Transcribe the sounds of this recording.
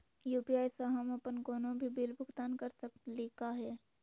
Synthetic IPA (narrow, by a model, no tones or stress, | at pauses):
juːpiaːjsaɦɐmɐpənkoːnõbʱibɪlbʱʊɡt̪aːnkɐɾsəkleːkaɦɛː